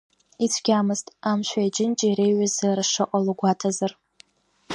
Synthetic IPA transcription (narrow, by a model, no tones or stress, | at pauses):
it͡sʷʰɡʲamɨstʼamʃʷaid͡ʒʼɪnt͡ʃʼiiɾejɥazarʂɨʔʼalɡʷatʰazar